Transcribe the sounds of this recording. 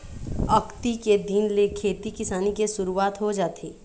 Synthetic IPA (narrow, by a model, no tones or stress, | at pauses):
ɐkt̪iked̪iːnlekʰeːt̪ikɪsaːnikesʊɾuwaːt̪ɦod͡ʒaːt̪ʰeː